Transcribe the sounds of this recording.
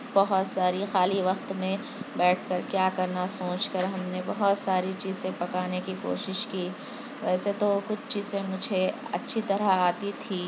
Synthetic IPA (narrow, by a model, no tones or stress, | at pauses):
b̥ɐɦʊt̪saːɾixaːliʋɐqt̪mẽ | bɛːʈʰkɐɾkjaːkɐɾnasõːt͡ʃkəɾɦɐmnebɐɦʊt̪saːɾit͡ʃiːzsẽpɐkaːnekiko̰ːʃɪʃkiː | ʋɛːset̪okʊt͡ʃʰt͡ʃiːz̥ẽmʊd͡ʒʱeɐ̰tːʃʰit̪ɐɾaaːt̪it̪ʰiː